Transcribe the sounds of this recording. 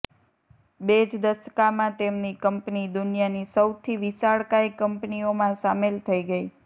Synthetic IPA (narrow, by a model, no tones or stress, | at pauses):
bed͡ʒd̪əskamãt̪emnikəmpnid̪ʊnjanisəwt̪ʰiʋisaɭkaikəmpniomãsamelt̪ʰəiɡəi